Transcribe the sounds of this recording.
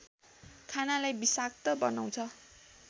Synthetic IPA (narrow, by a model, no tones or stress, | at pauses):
kʰanalajbisak̚t̪ʌbʌnaw̃t͡sʰʌ